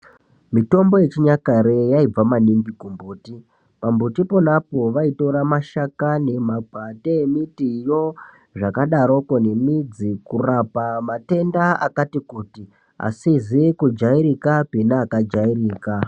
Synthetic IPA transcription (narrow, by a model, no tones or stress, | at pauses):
mito̞mbo̞je̞t͡ʃiɲakaɾejaib͡vamaniŋɡikumbuːti | pambutipo̞napo̞ʋaito̞ɾamaʃakane̞mabʱateemitijo̞ | ʐakaɗaɾo̞ko̞ne̞mid͡zikurapamate̞ndaa̰katikuːti | a̰sizikud͡ʒaiɾikapinaːkad͡ʒairiːka